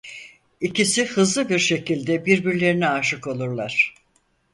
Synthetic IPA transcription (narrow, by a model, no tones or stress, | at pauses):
icisihɯzlˠɯbiɾʃe̞cilʲd̪ɛbiɾbiɾlʲe̞ɾinɛaʃɯko̞lˠuɾlˠaɾ̥